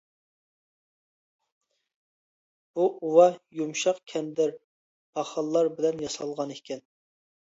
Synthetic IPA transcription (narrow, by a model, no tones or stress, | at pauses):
b̥uʔuwɑjumʃɑqkʲʰɛnd̪ɪɾ | b̥ɑχɑlˠːɑɾbɪlɛnjɑsɑlˠʁɑnekʲʰɛn